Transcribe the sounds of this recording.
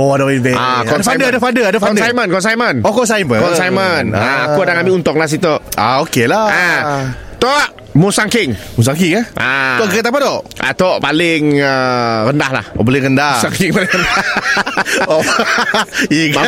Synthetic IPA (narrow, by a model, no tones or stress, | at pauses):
oadaivɛakɔdfadədafadəadafaɔndsajmənkɔnsajmənokɔns̬ajməkɔnsajmənaakuadaŋabiunt̪ɔklahs̬it̪oʔaokelaa | t̪ɔʔ | musaŋkɪŋmus̬aŋkɪŋaʔakəkət̪ap̬at̪oʔʔa̰t̪oʔpalɪŋərəndahla̰hobolɛɣəndasaŋkɪŋpalɪŋənda | o | i